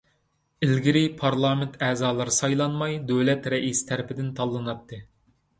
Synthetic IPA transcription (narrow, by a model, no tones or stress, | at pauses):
ɪlɡʲiɾɪpʰɑɾlˠɑːmɪnt̪ʰæːzɑːlˠɨɾɨsɑjlˠɑnmɑjd̪øwlɛt̪ɾɛʔist̪ʰæɾɪpɪd̪ɪnt̪ʰɑlˠːɨnɑt̪ʰːɨ